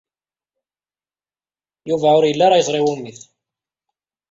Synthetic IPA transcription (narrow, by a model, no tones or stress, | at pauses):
juvæʊɾjəlːɑɾˤɑjəzˤɾˤɪwumːiθ